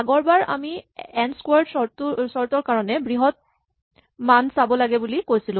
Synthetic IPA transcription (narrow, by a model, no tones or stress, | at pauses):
aɡɔɹbaɹa̰miɛnskwaɹdsɔtsɔɹtɔɹkaɹɔnɛbɹiɦɔt̚ | mansabɔlaɡɛbulikojsilʊ̃